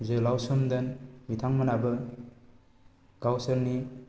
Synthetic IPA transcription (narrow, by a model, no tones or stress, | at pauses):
zɯlawsɔmd̪ɐnbit̪ʰaŋmanabɯ | ɡ̥awsɐlni